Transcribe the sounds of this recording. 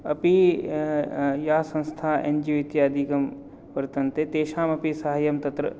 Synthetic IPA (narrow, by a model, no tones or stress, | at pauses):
ɐpi | jaːsɐ̃nst̪ʰaːʔḛnd͡ʒiʋɪt̪jaːd̪iːkɐm | pɐɾt̪ɐnt̪et̪eːʃaːmɐpisɐɦajɐmt̪ɐt̪ɾə̰